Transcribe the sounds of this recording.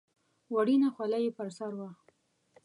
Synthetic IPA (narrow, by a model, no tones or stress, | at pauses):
waɽinaxwalajepəɾsaɾwa